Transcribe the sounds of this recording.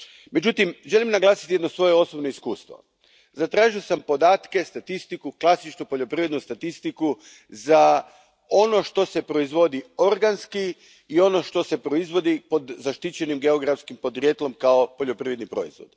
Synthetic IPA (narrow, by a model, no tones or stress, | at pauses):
me̞d͡ʒut̪imʒe̞limnaɡlˠaːsi̥t̪ijed̪no̞sʋo̞jeo̞sobnoiskuːst̪ʋo̰ | zat̪ɾaːʒiosampo̞d̪aːt̪ke̞st̪at̪ist̪ikuklˠasit͡ʃnupo̞ʎo̞pɾiʋed̪nust̪at̪ist̪iku | za | o̞no̞ʃt̪o̞se̞pɾo̞izʋo̞d̪io̞ɾɡanski | io̞no̞ʃt̪o̞sepɾo̞izʋo̞d̪ipo̞d̪zaʃt̪it͡ɕe̞nimɡe̞o̞ɡɾafskimpo̞d̪ɾjet̪lo̞mkaopo̞ʎo̞pɾiʋed̪nipɾo̞̰izʋo̞̰d̪